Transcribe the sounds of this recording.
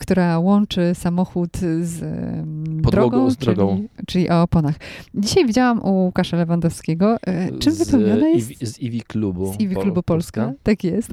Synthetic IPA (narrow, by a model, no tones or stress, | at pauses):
kt̪uɾawɔnt͡ʂɘsamɔxut̪z | dɔd̪ɾɔɡɔ̃wd̪ɾɔɡɔ̃t͡ʂɘlʲiʔɔːpɔnaxd͡ʑiɕajvʲid͡ʑawamʔuukaʂalɛvand̪ɔfskʲeɡɔt͡ʂɘmvɘpɛwɲɲɔnajɛivʲiklubuzivʲiklubupɔlskat̪akjɛst̪